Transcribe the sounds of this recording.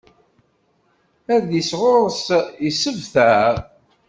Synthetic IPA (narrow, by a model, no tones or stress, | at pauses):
æɾðisʁʊɾˤəsisəvθæ